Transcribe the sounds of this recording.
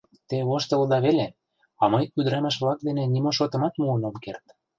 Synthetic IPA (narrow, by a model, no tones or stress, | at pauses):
t̪eβoʃt̪ɤ̆lɤd̪ɑβele | ɑmɤjyd̪ɾɑmæʃ̬βlɑk̚d̪enĕnimoʃot̪ɤ̆mɑt̪muənomkert̪